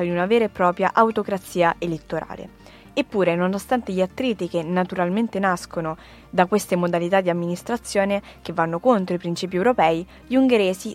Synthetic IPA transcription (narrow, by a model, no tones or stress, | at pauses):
ad̪iunaveːɾepːɾɔːpɾja̰ʔawt̪okɾat̪sːiːaʔelet̪ːoɾa̰ːlḛ | epːuːɾenonost̪ant̪eʎat̪ːɾiːt̪ikenːat̪uɾalment̪enaskono | d̪akwest̪emod̪alit̪ad̪ːiamːinist̪ɾat̪sːjoːnekevːanːokont̪ɾoipɾint͡ʃiːp̬iɛwɾopɛːi | ʎuŋɡeɾeːzi